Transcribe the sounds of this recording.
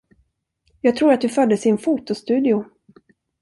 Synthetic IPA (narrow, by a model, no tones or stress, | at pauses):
jɑːɡ̚t̪ʰɾuːɾat̪̚d̪ɵfœd̪ːəsɪnfut̪ʊst̪ʉ̟ːd̪ɪʊ